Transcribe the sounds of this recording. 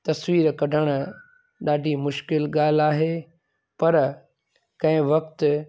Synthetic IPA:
t̪ɐsʋiːɾkɐɖʱəɽ̃̆ | ɗaːɖʱimʊʃkɪlɠaːl̤aːɦeː | pɐɾ | kɐ̃ɦɪ̃ʋɐk̚t̪

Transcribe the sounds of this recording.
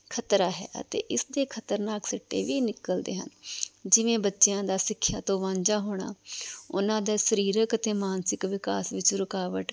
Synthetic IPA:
kʰət̪ɾaːɦɛ̰ːə̰t̪ḛːʔɪsd̪eːkʰət̪əɾnaːksɪʈːḛːʋiːnɪkəld̪ḛːɦə̰nd͡ʒɪʋẽːbətːʃejãːd̪aːsɪkʰːjaːt̪õːʋãːɲd͡ʒaːɦoːɽ̃a̰ːʊnãːd̪aːsəɾiːɾəkət̪eːmaːnsɪkʋɪkaːsʋɪt͡ʃɾʊkaːʋəʈ

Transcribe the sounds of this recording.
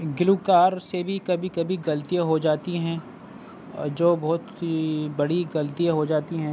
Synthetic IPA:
ɡɪluːkaːɾsebʱikɐbʱikɐbʱiɡɐlt̪ijaɦod͡ʒaːt̪iɦɛ̃ː | d͡ʒoːbɔːt̪bɐɽiɡɐlt̪ijaɦod͡ʒaːt̪iɦɛ̃ː

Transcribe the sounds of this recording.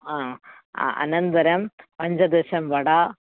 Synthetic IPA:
a̰ː | ʔɐ̰nɐnd̪ɐɾɐmpɐɲd͡ʑɐd̪eʂɐmʋɐɽa

